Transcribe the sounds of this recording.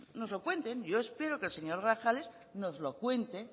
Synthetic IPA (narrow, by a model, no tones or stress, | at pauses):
no̞zlo̞kwe̞nt̪e̞nʝo̞espe̞ɾokelse̞ɲo̞ɾɣɾaxale̞s | no̞zlo̞kwe̞nt̪e